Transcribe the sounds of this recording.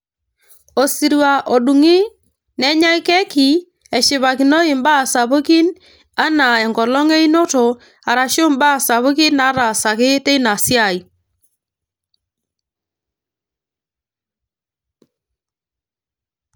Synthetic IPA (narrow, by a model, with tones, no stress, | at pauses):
ɔ˨si˨ɾwa˨ʔɔ˨ɗu˨ŋɪ˦ | nɛ˦ɲa˦ɪ˦kɛ˦ki˨ | ɛ˨ʃɪ˨βa˨kɪ˨nɔ˦ɪ˨mba˦˨sa˨bo˦ki˦n | a˦na˨ɛ˨ŋɡɔ˨lɔ˦ŋe˦i˦no˦to˨ | a˨ɾa˨ʃo˦mba˦˨sa˨βo˦ki˦na˦ɾa˨sa˨kɪ˦te˦na˨sja˨i˨